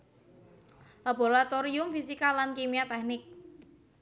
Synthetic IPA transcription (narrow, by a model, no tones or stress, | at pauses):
lab̥o̤ɾat̪oɾiʊmfisikalankemiat̪ɛk̚nɪk̚